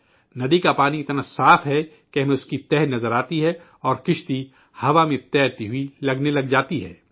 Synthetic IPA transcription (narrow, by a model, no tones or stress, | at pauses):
nɐd̪ikapaːniɪt̪nasaːfɦɛ | keɦɐmẽʊskit̪ɛːɦnɐzəɾaːt̪iɦɛ | ɔːɾkɪʃt̪i | hɐʋamẽt̪ɛːɾt̪iɦuilɐɡnelɐɡd͡ʒaːt̪iɦɛ̰ː